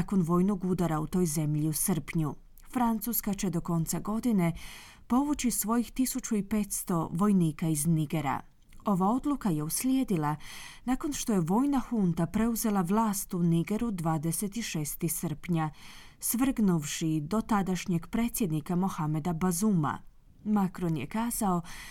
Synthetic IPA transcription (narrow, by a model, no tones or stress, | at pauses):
ko̞nʋo̞ːjno̞ɡud̪aɾaut̪o̞ːjze̞mʎiusər̩pɲu | fɾant̪suskat͡ɕe̞d̪o̞ko̞nt̪saɡo̞d̪ine̞ | po̞ʋut͡ɕisʋo̞jixt̪isut͡ʃuipe̞t̪st̪o̞ʋo̞jniːkaizniɡe̞ɾa̰ | o̞ʋao̞d̪lukaje̞uslʲjed̪ilanaːko̞nʃt̪o̞je̞ʋo̞ːjnaxunt̪apɾe̞uze̞lˠaʋlˠaːst̪uniɡe̞ɾud̪ʋaːd̪ese̞t̪iʃe̞ːst̪isər̩pɲa | sʋr̩ɡnuʋʃid̪o̞t̪ad̪aʃɲe̞ɡpɾe̞ːt̪sjed̪nikamoxame̞d̪abazuːma̰ | makɾo̞njḛkaːzao̞